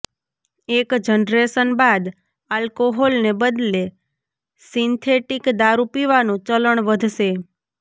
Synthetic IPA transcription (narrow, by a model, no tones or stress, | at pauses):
ekd͡ʒənɾesənbad̪ | alkoɦolnebəd̪le | sint̪ʰeʈikd̪aɾupiʋanũt͡ʃələɳʋəd̪ʱʃe